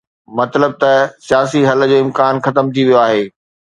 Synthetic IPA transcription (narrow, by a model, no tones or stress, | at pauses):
mɐt̪ləb̚t̪ɐsijaːsiɦɐlə̆d͡ʑoːɪ̃mkaːnxɐt̪əmt̪ʰiʋijoaːɦeː